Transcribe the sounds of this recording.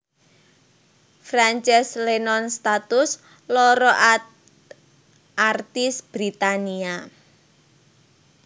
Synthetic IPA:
fɾant͡ʃɛslenɔnst̪at̪ʊs | lɔɾɔʔ | ʔart̪ɪsb̥ɾit̪ania

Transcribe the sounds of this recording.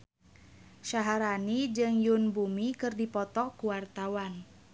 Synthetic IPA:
ʃaɦaɾanid͡ʒɨŋjunbumikɨrdipɔt̪ɔkuwart̪awan

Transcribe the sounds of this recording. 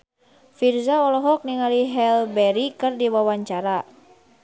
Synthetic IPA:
firzaɔlɔɦɔk̚niŋaliɦɛlbɛɾikɨrdiwawaɲt͡ʃaɾa

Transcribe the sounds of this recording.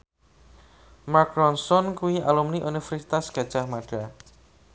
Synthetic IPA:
makɾɔnsɔnkuialumniʔunifɛrsi̥t̪asɡ̥ä̤d̥ʒ̥ahmaɖ̥a

